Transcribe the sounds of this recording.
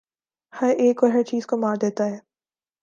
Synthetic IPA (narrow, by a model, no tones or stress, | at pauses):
hɐɾeːkʋɐɦɛt͡ʃiːzkomaːɾd̪eːt̪aɦɛː